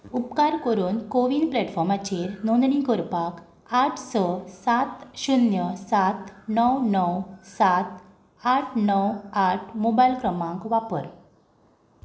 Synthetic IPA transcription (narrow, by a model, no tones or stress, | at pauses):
upkaɾkəɾuːnkoʋiːnplɛʈfɔɾmat͡ɕeɾnond̪ɳĩkɔɾpak | aʈʰsəsat̪ɕunjəsat̪nəwnəwsat̪ | aʈʰnəwaʈʰmobajlkɾəmãkʋapə̰ɾ